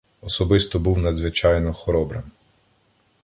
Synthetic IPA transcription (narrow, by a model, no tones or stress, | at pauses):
ɔsɔbɪst̪ɔbuwnɐd̪zʋɪt͡ʃɑjnɔxɔɾɔbɾɪ̰m